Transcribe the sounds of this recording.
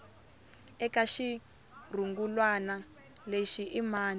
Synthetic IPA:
ɛkaʃi | r̤uŋɡulwana | leʃiʔimaːn

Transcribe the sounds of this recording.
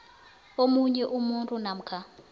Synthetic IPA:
omuɲɛʔumuntʼunam̩kʰa

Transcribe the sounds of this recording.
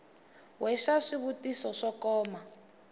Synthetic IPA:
wʔɛʃaʂiβutisɔʂɔkɔːma

